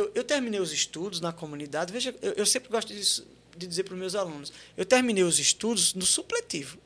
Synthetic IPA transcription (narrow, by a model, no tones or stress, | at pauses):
ewewt̪eɾminejʊzɪʃt̪ud̪ʊznɐkomũnid̪ad̪ɪveʒɐewʔewsẽpɾɪɡɔʃt̪ʊd̪isʊ̥ | d̪ɪd̪izeɾpɾʊzmewzalũnʊsewt̪eɾmĩnejʊzɪʃt̪ud̪ʊznʊsuplet̪ivʊ